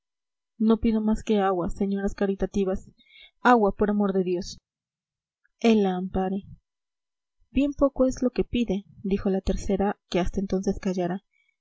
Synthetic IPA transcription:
no̞piðo̞maske̞aɣwase̞ɲo̞ɾaskaɾit̪at̪iβas | awapo̞ɾamo̞ɾðe̞ðjo̞s | e̞laːmpaɾe | b̥je̞mpo̞ko̞e̞zlo̞kepiðe̞d̪ixo̞lat̪e̞ɾse̞ɾake̞ast̪aent̪o̞nse̞skaʝaɾa

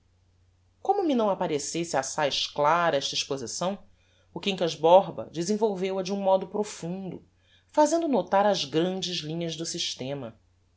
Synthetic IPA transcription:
kõmʊminɐ̃w̃apaɾesesɪasajʃklaɾɐɛʃt̪ɐiʃpozisɐ̃w̃ | ʊkĩŋkɐzbɔɦbɐ̰d͡ʒɪzẽvowvewɐd͡ʒɪũmɔd̪ʊpɾofũnd̪ʊ̰ | fazẽnd̪ʊnot̪aɾɐzɡɾɐ̃nd͡ʒɪzlĩɲɐzd̪ʊsiʃt̪ẽmɐ

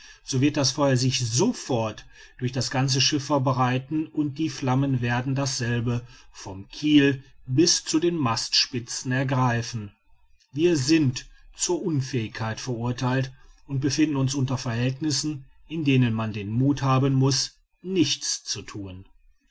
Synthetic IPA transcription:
z̥oːvɪɐt̚d̥asfɔʏɐzɪçzofɔɐt | d̥ʊɐçd̥asɡ̥ant͡səʃɪfɛɐbəʁaɪtn̩ʊnt̚d̥iːflamənveːɐdn̩dasz̥ɛlbəfɔmkʰiːlbɪst͡sudeːnmastʃpɪt͡sn̩ɛɐɡʁaɪfn̩ | viːɐzɪntt͡suːɐʔʊnfɛːɪçkʰaɪtfɛɐʔʊɐtʰaɪltʊnt̚b̥əfɪndn̩ʊnsʔʊntɐfɛɐhɦɛltnɪsn̩ | ʔɪndeːnənmandeːnmuːthaːbənmʊs | nɪçt͡st͡sutʰuːn

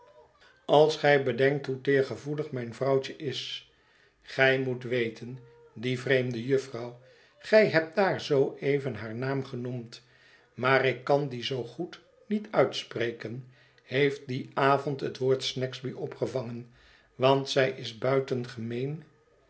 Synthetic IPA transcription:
ɑlˠsχɛjbədɛŋk̚tɦutɪːɹχəvuləχmɛjnvrɑwt͡ʃəʔɪs | χɛjmutʋejtən | divrejmdəjɵfrɑw | χɛjɦɛp̚daːɹzowʔejvənɦaːɹnaːmχənumt | maːrɪkːɑndizowχut | nitœɥtsprejkən | hejft̚diaːvɔntɦətʋoːɹtsnɛkzbiʔɔpχəvɑŋən | ʋɑntsɛjʔɪzbœɥtənχəmejn

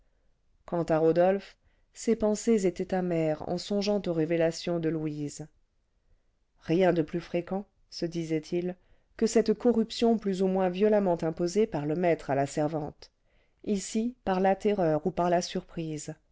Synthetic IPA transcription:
kɑ̃t̪aʁod̪ɔlf | sepɑ̃sezet̪ɛt̪amɛʁɑ̰̃sɔ̃ʒɑ̃t̪oʁevelasjɔ̃d̪əlwiz | ʁjɛ̃d̪əplyfχekɑ̃ | səd̪izɛt̪ʰil | kəsɛt̪kɔʁypsjɔ̃plyzumwɛ̃vjɔlamɑ̃t̪ɛ̃pozepaʁləmɛt̪χalasɛʁvɑ̃t̪ | isipaʁlat̪eʁœʁupaʁlasyʁpχiz

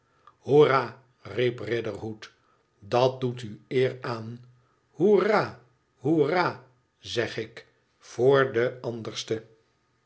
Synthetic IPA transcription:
huraː | riprɪdərɦut | dɑt̚dutyɪːraːn | huraː | huraː | zɛχɪk | foːɹdəɑndəɹstə

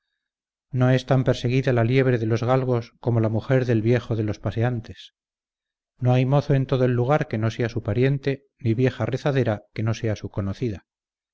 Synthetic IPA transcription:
no̞e̞st̪ampeɾse̞ɣ̞iðalalje̞β̞ɾe̞ðe̞lo̞zɣalɣo̞sko̞mo̞lamuxe̞ɾðe̞lβje̞xo̞ðe̞lo̞spaseant̪e̞s | no̞ajmo̞θoe̞nt̪o̞ðoe̞lːuɣ̞aɾke̞no̞se̞asupaɾje̞nt̪e̞ | niβje̞xare̞θaðe̞ɾake̞no̞se̞asuko̞noθiða

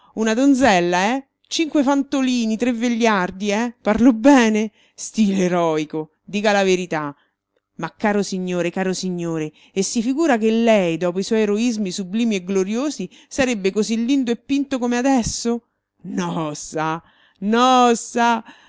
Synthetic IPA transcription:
unad̪onzɛlːaɛ | t͡ʃiŋkwefant̪oliːnit̪ɾevːeʎːard̪iɛparlobɛːne | st̪iːloeɾɔːiko | d̪iːkalaveɾit̪a | makːaːɾosiɲːoːɾekaːɾosiɲːoːɾeː | sːifiɡuːɾakelːɛjd̪ɔːp̬oiswɔjeɾoizmisubliːmieɡloɾjoːzi | saɾebːekozilːind̪oepːint̪okomead̪ɛsːo | nɔsːa | nɔsa

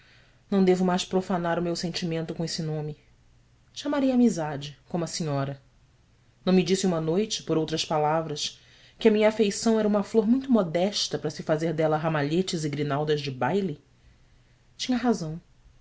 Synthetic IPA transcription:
nɐ̃w̃d̪evʊmajʃpɾofanaɾʊmewsẽnt͡ʃimẽnt̪ʊkõesɪnõmɪ | ʃamaɾejamizad͡ʒɪkõmʊɐsiɲɔɾɐ | nɐ̃w̃mɪd͡ʒisɪũmɐnojt͡ʃɪ̥poɾowt̪ɾɐspalavɾɐs | kɪɐmĩɲɐafejsɐ̃w̃ɛɾɐũmɐfloɾmũj̃t̪ʊmɔd̪ɛʃt̪ɐpɾɐsɪfazeɾd̪ɛlɐɦamaʎet͡ʃɪzɪɡɾinawd̪ɐzd͡ʒɪbajli | t͡ʃĩɲɐɦazɐ̃w̃

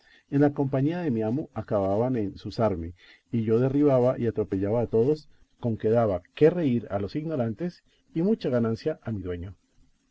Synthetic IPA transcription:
e̞nlako̞mpaɲiaðe̞miamoakaβaβanensusaɾme̞ | iʝo̞ðe̞riβaβaʔiat̪ɾo̞peʝaβaːt̪o̞ðo̞s | ko̞ŋke̞ðaβake̞re̞iɾalo̞siɣno̞ɾant̪e̞s | imut͡ʃaɣanãnsjaʔamiðwe̞ɲo

